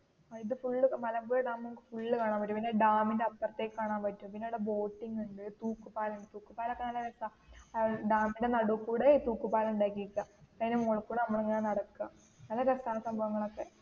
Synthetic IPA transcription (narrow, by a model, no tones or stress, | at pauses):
aiðɨfuɭːɨmɐlɐbuːjɐɖaːmokːfuɭːɨkaːɳaːmpɐʈːumpinːeɖaːmindeɐp̪ːɐrɐt̪ːeːkkːaːɳaːnpɐtːumpinːeuɽebo̞ːʈːiŋɡuɳɖɨt̪uːkːupaːlɐuɳɖɨt̪uːkːupaːlokːenaːlɐɾkːa | ɖaːminde̞nɐɽukːuːɽet̪uːkːupaːlɐuɳɖaːjikʲːiikʲːaɐðinemoːɭkːuːɽeɐmːɐɭeŋːɐnenɐɽɐkːɨɣa | nɐlɐkɐst̪aːnɐsɐmbʱɐʋɐŋːɐɭo̞kːe̞